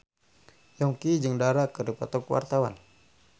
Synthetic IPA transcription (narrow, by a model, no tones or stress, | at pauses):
jɔŋkid͡ʒɨŋdaɾakəripɔ̰t̪ɔkwa̰rt̪awa̰n